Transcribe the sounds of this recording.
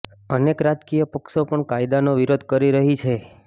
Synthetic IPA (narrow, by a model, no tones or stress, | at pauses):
ənekɾad͡ʒkijəpəkʃopəɳkajd̪anoʋiɾod̪ʱkəɾiɾəɦit͡ʃʰe